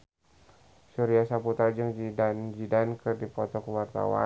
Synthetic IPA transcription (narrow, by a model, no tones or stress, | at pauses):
suɾiasaput̪ard͡ʒəŋd͡ʒidand͡ʒidankɨrdipɔt̪ɔkəwart̪a̰wa̰